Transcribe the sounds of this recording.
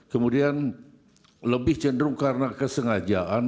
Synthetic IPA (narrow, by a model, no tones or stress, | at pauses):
kəmudian | ləbɪht͡ʃəndɾʊŋkarənakəsəŋad͡ʒaʔan